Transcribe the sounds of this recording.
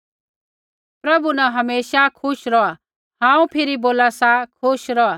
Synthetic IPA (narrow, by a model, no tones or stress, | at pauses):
pɾɐbunaɦɐmeːʃakʰʊʃɾɔa | ɦãːũpʰɪɾiboːlasakʰʊʃɾɔa